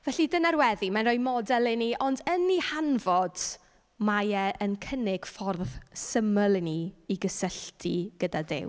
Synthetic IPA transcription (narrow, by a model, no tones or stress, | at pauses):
vɛɬidənaɾwɛðimanrɔjmɔdɛlˠɛniʔɔndənːihanvɔd̥ | majɛʔənkʰənɪɡ̥fɔrðsəməlˠɛniiɡəsəɬtʰiɡ̥ədadɪ̰w